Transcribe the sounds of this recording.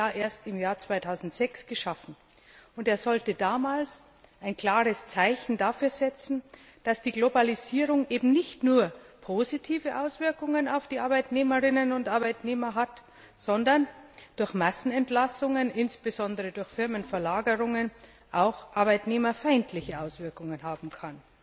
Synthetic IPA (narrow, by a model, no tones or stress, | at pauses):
aʔeːɐstɪmjaːɐt͡sv̥aɪtʰaʊzn̩tz̥ɛksɡ̥əʃafn̩ | ʊnteːɐzɔltədaːmaːls | aɪnkl̥aːʁəst͡saɪçn̩daːfyːɐzɛt͡sn̩ | d̥asd̥iːɡlobaliziːʁʊŋʔeːbm̩nɪçtnuːɐpʰoːzitʰiːvəʔaʊsv̥ɪɐkʊŋənaʊfd̥iːʔaɐbaɪtneːməʁɪnənʊntʔaɐbaɪtneːmɐɦat | z̥ɔndɐnd̥ʊɐçmasn̩ɛntlasʊŋənʔɪnsb̥əzɔndəʁədʊɐçfɪɐmənfɛɐlaːɡəʁʊŋən | ʔaʊxʔaɐbaɪtneːmɐfaɪntʰlɪçəʔaʊsv̥ɪɐkʊŋənɦaːbm̩kʰan